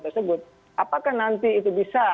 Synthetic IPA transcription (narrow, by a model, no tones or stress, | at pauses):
t̪ərsəbʊt̪̚ | apakahnant̪iːt̪ubisa